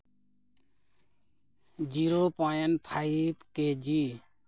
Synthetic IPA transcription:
d͡ʒiɾopɔjanpʰajpked͡ʒi

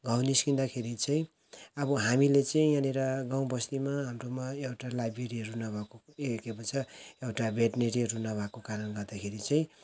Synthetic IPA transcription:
ɡaw̃niskind̪akʰeɾit͡sʌĩ | ʌbʌɦamilet͡sʌĩjaneɾaɡãw̃bʌslimaɦamromaewʈalajbreɾiʌɾunabʱakoekepʌt͡sʰʌewʈabeʈneɾiɾunabʱakokaɾʌnɡʌrd̪akʰeɾit͡sʌĩ

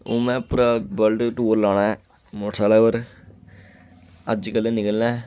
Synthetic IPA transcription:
oːmɛ̃ːpɾəbəlɖʈoːɾlaːɳ̃ãː | moʈʰaːlaːəɾ | əd͡ʒkəlːeːnɪkəlnɛ̃ː

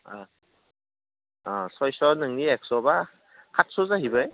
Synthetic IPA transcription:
a | asɔjsɔɾnɯŋniɛk̚sɔba | kʰat̚sɔzaɦibɯj

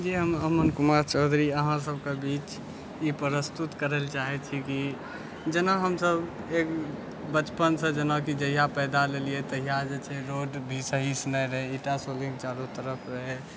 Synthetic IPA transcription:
d͡ʒiɦəməmənkʊmaɾt͡ʃɔːd̪ʱɾiəɦãsəbkebit͡ʃ | jepəɾəst̪ut̪kəɾelt͡ʃaɦɛt͡ʃʰiki | d͡ʒənaɦəmsəb | ek | bət͡ʃpənsə̃d͡ʒənakid͡ʒəɦijapɛːd̪aleliet̪əɦijad͡ʒet͡ʃʰɛɾoɖbʱisəɦisnəɾəɦeiʈasolĩŋɡ̚t͡ʃaːɾut̪əɾəpʰɾəɦe

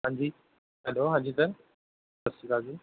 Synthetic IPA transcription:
ɦãːɲd͡ʑiː | ɦɛloɦãːɲd͡ʑiːt̪ɐɾ | ɐsikad͡ʑi

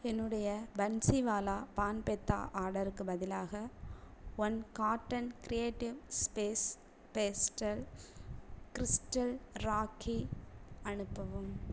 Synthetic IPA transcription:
ɛnːɯɽɐjɐbɐnsiʋaːlaːpaːnpɛt̪ːa̰ːʔaːɾɽɐɾɯkːɯbɐðɪlaːɣɐ | ʋɐnkaːʈːɐnkɾɪeːʈːɪʋspeːs | peːsʈɐl | kɪɾɪsʈɐlɾaːkʰːiɐnɯpːɐʋɯm

